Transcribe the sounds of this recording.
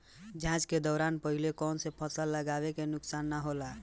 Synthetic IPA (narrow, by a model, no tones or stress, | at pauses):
d͡ʒãt͡ʃked̪ɔːɾanpəɦilekɔnsepʰəsalːəɡaβekenʊksanːaɦola